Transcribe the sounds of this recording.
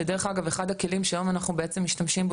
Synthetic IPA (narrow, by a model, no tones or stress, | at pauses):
edeʁeχaɡaveχadhakelimʃeajo̞manaχnubeet͡se̞mːiʃtamʃimb